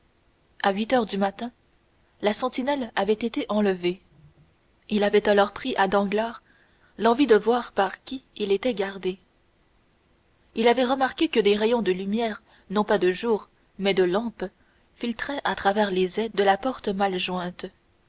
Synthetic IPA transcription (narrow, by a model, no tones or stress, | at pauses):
aɥit̪œːʁd̪ymat̪ɛ̃ | lasɑ̃t̪inɛlavɛt̪et̪eʔɑ̃ləve | ilavɛt̪alɔʁpχiʔad̪ɑ̃ɡlaːʁ | lɑ̃vid̪əvwaːʁpaʁkʲiilet̪ɛɡʲaʁd̪e | ilavɛʁəmaʁkʲekəd̪eʁejɔ̃d̪əlymjɛːʁ | nɔ̃pad̪əʒuːʁ | mɛd̪əlɑ̃p | filt̪χɛʔat̪χavɛʁlezɛd̪əlapɔʁt̪əmalʒwɛ̃ːt̪